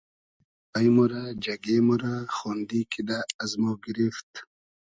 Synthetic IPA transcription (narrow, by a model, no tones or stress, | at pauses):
pajmɔɾad͡ʒaɡemuɾaxɔnd̪ikʰid̪aːzmoɡiɾift̪